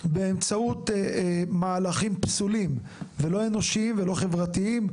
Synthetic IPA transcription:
beemt͡saut̪ | maːlaχimpsulim | velo̞e̞no̞ʃiimvelo̞χe̞vʁat̪iim

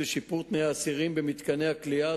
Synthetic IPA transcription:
eʃipuʁt̪nejaːsiʁimbemit̪kaneaklia

